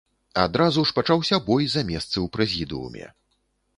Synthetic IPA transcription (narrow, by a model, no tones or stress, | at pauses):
a̰d̪ɾazuʂpat͡ʂawsʲɐbɔjzamʲɛst̪sɨwpɾɛzʲid̪ɨṵmʲɛ̰